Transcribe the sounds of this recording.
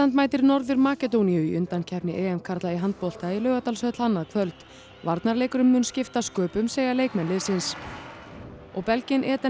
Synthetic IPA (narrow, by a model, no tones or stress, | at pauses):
ant̪maːjt̪ɪɾnɔɾðʏɾmaːcɛt̪̬owniʏiʔʏnt̪ancʰɛhpnɪʔɛːɛmkʰaɾt̪laiɦant̪̚pɔl̥t̪ailœːɣat̪alsœːt̪l̥hanːaðkʰvœlt̪ | vaɾt̪naɾleːjkʏɾʏmːʏnscɪft̪askœːpʏmseːjɣaleːjkmɛnlɪðsɪns | ɔɣpɛlcɪnʔɛːt̪a